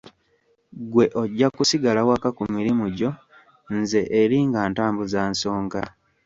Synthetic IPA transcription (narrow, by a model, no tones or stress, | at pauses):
ɡwe̞ʔoɟːakusiɡalawakakumiɾimuɟo̞ | nze̞ʔeɾiŋɡaːntaːmbuzaːnso̞ːŋɡa